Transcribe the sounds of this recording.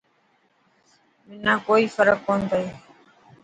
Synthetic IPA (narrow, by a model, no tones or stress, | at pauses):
mɪnãːkoːiːfəɾəkːõːnd̪aeː